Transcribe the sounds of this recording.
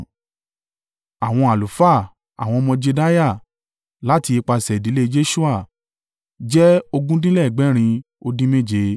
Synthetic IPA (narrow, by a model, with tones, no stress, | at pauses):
a˨w̃ɔ̃˧a˨lu˨fa˦˨ | a̰˨w̃ɔ̃˧mɔ̃˧d͡ʒe˧da˦ja˦˨ | la˦ti˧e˧k͡pa˧sɛ˨di˨˦le˦d͡ʒe˦ʃu˦a˦˨ | d͡ʒɛ˦o˧ɡũ˦dĩ˦lɛ˦˨ɡ͡bɛ˨˦ɾ̃ĩ˧ | o˧dĩ˦me˦˨d͡ʒe˨˧˦